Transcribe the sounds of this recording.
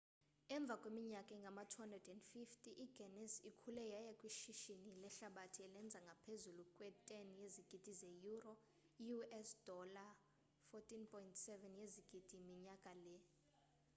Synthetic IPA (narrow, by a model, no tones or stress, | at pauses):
ɛɱb̪vʱakʼwemiɲakʼɛŋɡʱamatʰwandrɛdɛndfiftʼiʔiɡ̥ɛnɛsikʰulɛjajakʼwiʃiʃinilɛɬaɓatʰiɛlɛnd͡zʱaŋɡʱapʰezulukʼwɛtʼenijeziɡ̥ʱid̥ʱizejurɔ | ijuɛsd̥ɔla | fɔtʼinpʰʼɔintʰsɛvɛnjeziɡ̥ʱid̥ʱimiɲakʼalɛ